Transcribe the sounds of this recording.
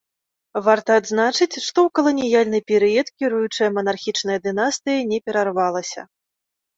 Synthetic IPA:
vart̪ɐːd̪znat͡ʂɨt͡sʲʂt̪ɔwkɐlˠɐnʲijalʲnɨpʲɛɾɨɛt̪kʲiɾujut͡ʂɐjɐmɐnarxʲit͡ʂnɐjɐd̪ɨnast̪ɨjɐnʲɛpʲɛɾarvalˠɐsʲɐ̰

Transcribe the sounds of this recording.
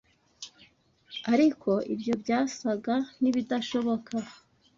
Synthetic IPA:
aɾikʰo̞ʔibjo̞bɟaːsaɡan̥iβidaʃo̞βo̞kʰa

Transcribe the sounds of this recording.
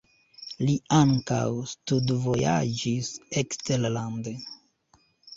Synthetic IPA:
liaŋka̰wstudvo̞ja̰d͡ʒisekstellande

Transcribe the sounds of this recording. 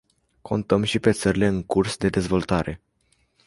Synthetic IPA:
kʰo̞̰nt̪əmʃipe̞t̪səɾile̞ɨŋkursd̪e̞d̪e̞zvo̞lt̪aɾe̞

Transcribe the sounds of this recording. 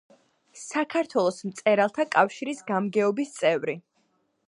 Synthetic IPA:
sakʰaɾt̪ʰwɛlˠɔsmt̪sʼɛɾalˠt̪ʰakʼafʃiɾisɡamɡɛɔbist̪sʼɛvɾi

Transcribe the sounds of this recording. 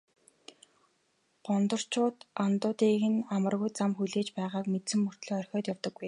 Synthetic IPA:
ɢ̥ɔnt̪ɞ̆r̥t͡ɕʰʊːt̪ant̪ʊːt̪iːɣɘ̆namə̆rɣujt͡samxuɮeːt͡ɕpæːʁaːkmet̪sɘ̆mːɵr̥t̪ɮɔːœrʲxʲɔːt̪jawt̪ə̆ɡːuj

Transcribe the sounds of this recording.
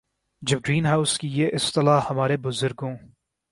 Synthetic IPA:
d͡ʒɐb̚ɡɾiːnɦaːʊskijeːʔɪst̪ɪlaːhɐmaːɾebʊzʊɾɡõː

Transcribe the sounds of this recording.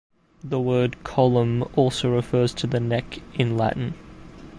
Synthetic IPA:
ðəwɜːd̚kʰɑlˠə̃mɔlˠsəʊɹɨfɜːz̥tʰɨðɨnɛkɪ̃nlæ̰ʔn̩

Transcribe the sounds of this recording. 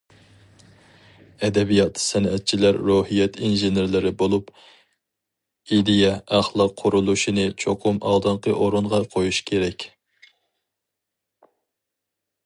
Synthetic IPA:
ɛd̪ɛbijɑt̪ʰsɛnɛt̪̚t͡ʃʰilæɾːohijɛt̪ʰinʒenɪɾlɪɾɪbolˠup | id̪ijɛæχlˠɑqʰːʊɾulˠuʃinɨt͡ʃʰoqʰʊmɑ̰lˠd̪ɨɴqʰəʔoɾunʁɑqʰojuʃkʲʰeɾɛkʲ

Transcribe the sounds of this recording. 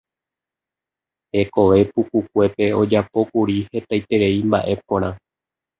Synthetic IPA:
he̞ko̞ʋe̞pukukʷe̞pe̞o̞d͡ʒapo̞kuɾihe̞t̪ajt̪e̞ɾe̞imba̰ʔe̞põɾ̃ã

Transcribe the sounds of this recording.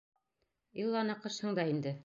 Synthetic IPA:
ilˠːɑnɤqɤ̆ʃhɤ̆ɴd̪ɑind̪ɘ

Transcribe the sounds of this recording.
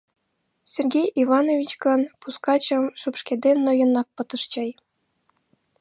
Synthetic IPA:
sʲerɡʲejʔivɑnovʲit͡ɕkɤ̆npuskɑt͡ɕɤ̆mʂupʂkʲed̪ʲenʲːŏjɤ̆nɑk̚pɤ̆t̪ɤ̆ʂt͡ɕej

